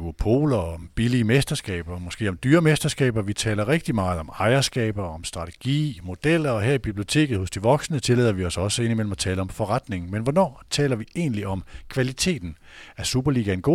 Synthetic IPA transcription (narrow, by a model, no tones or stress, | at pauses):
uopʰo̝̰ːlɐɒb̥iliəmesd̥ɐsɡ̥ɛ̰ːb̥ɐmɒ̽sɡ̥e̝̰ːɒ̽md̥yːɐmesd̥ɐsɡ̥ɛ̰ːb̥ɐʋit͡sʰɛ̰ːlɐʁeɡ̥̚d̥imɑ̈ːð̞̩ˠɒ̽mɑ̈ɪɐsɡ̥ɛ̰ːb̥ɐɒ̽msd̥ʁɑ̈t͡sʰe̥ɡ̥ḭːmo̝d̥el̰ɐɒ̽ɦeɐib̥ib̥lio̝t͡sʰe̝̰ːɡ̥ð̩ˠhɔ̽sd̥iʋɒ̽ɡ̥sənət͡sʰe̝leðˠɐʋiɒ̽sɒ̽səe̝nimel̰mæt͡sʰɛ̰ːləɒ̽mfɒ̽ʁɑd̥ne̝ŋmenʋɒnɒ̰ːt͡sʰɛ̰ːlɐʋie̝ːnliɒ̽mkʰʋælit͡sʰe̝̰ːd̥n̩ | æsub̥ɐliːɡ̥æe̝nɡ̥o̝̰